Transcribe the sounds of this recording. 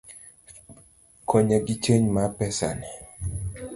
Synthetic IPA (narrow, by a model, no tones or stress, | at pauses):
kʰɔɲaɡit͡ʃeɲmapɛsa̰nɛ